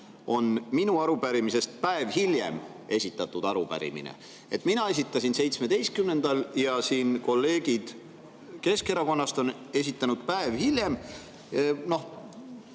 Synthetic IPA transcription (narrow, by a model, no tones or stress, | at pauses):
o̞nminuɑɾubæɾimise̞st̪̚pæevhilʲje̞̰m | e̞sʲit̪ːˑɑt̪ːˑud̪̥ɑɾupæ̰ɾḭmḭnḛ | et̪ːˑminɑe̞s̬ʲit̪ːˑɑsʲinse̞jt̪sme̞d̪e̞jst̪̚kymne̞nd̪̥ɑljɑsiːnko̞lːe̞ːɡ̥id̪̥ | ke̞ske̞ɾɑko̞nːɑst̪o̞n | e̞s̬ʲit̪ːˑɑnud̪̥̚pæevhilʲjem | no̞h